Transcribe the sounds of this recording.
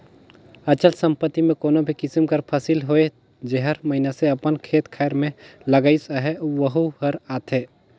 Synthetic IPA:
ɐt͡ʃəlsə̃mpət̪ːimẽkoːnobʱikɪsimkəɾpʰasɪlɦoe | d͡ʒeɦəɾmɐɦɪnaseɐpənkʰeːt̪kʰaːjɾmẽlɐɡaisaɦeʋəɦuhəɾaːt̪ʰeː

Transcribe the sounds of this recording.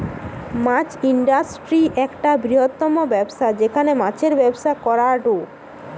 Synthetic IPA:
mãt͡ɕiɳɖasʈɾiʔɛkʈabɾiɦot̪ːɔmobɛbʃad͡ʑekʰanemãt͡ɕʰeɾbɛbʃakɔɾaɖo

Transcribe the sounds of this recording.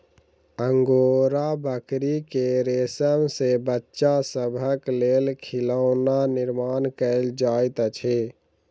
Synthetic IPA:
əŋɡoːɾabəkɾikeɾeːsəmsebətːʃasəbʱəkleːlkʰɪləʊnanɪɾmaːnkəld͡ʒaːit̪ət͡ʃʰe

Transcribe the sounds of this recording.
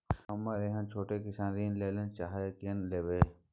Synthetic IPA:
ɦɐmaɾeɦə̃nt͡ʃʰoːʈekɪsãːnɾiːnleːlent͡ʃaːɦkinleːʋeː

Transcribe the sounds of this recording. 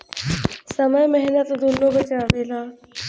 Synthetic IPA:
sɐməjmɛɦnət̪d̪unːobət͡ɕaːʋeːlaː

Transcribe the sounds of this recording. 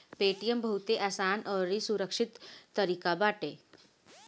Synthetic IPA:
peʈijəmbʱəwt̪eʔasanəɾisuɾəkʂit̪ːəɾikabaʈe

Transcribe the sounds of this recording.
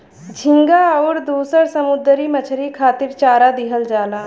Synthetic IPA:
d͡ʒʱɪ̃ŋɡaːɔːɾd̪uːsəɾsəmʊd̪ɾiːmət͡ʃʰɾiːkʰaːt̪ɪɾt͡ʃaːɾaːd̪ɪɦəld͡ʒaːlaː

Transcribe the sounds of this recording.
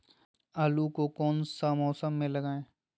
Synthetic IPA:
aːlukokɔːnsamɔːsəmːẽlɐɡaːẽː

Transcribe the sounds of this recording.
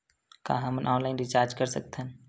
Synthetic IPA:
kã̰ːɦɐmənʔɔːnlaːɪnɾɪt͡ʃaːɾd͡ʒkəɾsək̚t̪ʰɦən

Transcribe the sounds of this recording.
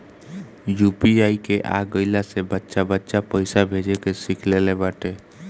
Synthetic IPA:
jupiaːikeʔa̰ɡəɪlasebətːʃabətːʃapəɪsabʱed͡ʒekesikʰlelebaʈe

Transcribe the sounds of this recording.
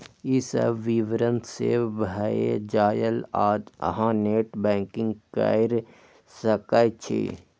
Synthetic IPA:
isə̰bʋiʋɾə̃nt̪sḛbʱaḛd͡ʒaːjəlaːd͡ʒə̰ɦãːneːʈbɛ̃ːŋkɪ̃ŋɡka̰ɪɾ | səkat͡ʃʰḛː

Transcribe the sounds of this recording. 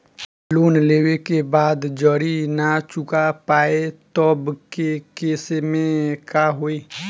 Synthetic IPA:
loːnleːwekebaːd̪d͡ʒəɾinat͡ʃʊkapaːet̪ɔbkekeːsemẽkaɦoːiː

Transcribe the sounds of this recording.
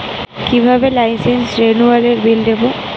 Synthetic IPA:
kibʱabelajnsensɾenualeɾbild̪ebo

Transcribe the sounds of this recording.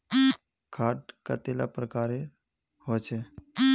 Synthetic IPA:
kʰaːʈkət̪ela̰pɾəkaːɾe | ɦojt͡ʃʰeː

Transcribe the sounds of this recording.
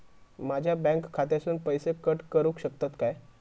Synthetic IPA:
mad͡ʑʱjabɛ̃ŋkkʰːat̪easuːnpəjsekəʈkəɾũːkɕəkt̪at̪kaj

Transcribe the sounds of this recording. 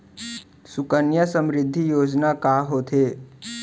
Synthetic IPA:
sʊkənjəsə̃mɾɪd̪ʱːijoːd͡ʒnakaːɦoːt̪ʰeː

